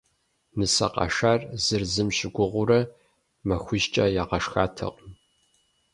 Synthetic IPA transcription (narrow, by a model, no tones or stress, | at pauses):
nɨsɐ̰qɐ̰ʂarzɨrzɨmɕɪɡʷʊʁʷʊɾɐ | mɐxʷʊʒt͡ʃʼɐjaːʁɐʂxaːtʰɐ̰qʼm